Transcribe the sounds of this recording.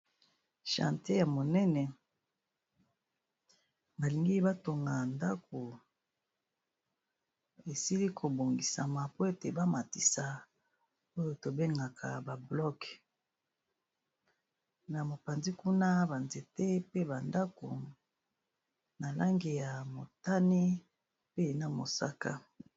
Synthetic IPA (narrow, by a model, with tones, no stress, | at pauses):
ʃã̰˨nte˦ja˨mo˨nɛ˦nɛ˨ | ba˨li˨ŋɡi˦ba˦to˨ŋɡa˨nda˦ko˨ | e˨si˦li˦kʰo˨bo˨ŋɡi˨sa̰˨ma˨po˦e˦te˨ba˦ma˨ti˨sa˨ | o˦jo˨to˨be˦ŋɡa˨kʰa̰˨ba˨blɔ˦k | na˨mo˨pa˨nzi˦ku˦na˦ba˨nze˨te˦pe˦ba˨nda˦ko˨ | na˨la˦ŋɡi˨ja˨mo˨ta˦ni˦ | pe˦na˨mo̰˨sa˦ka̰˦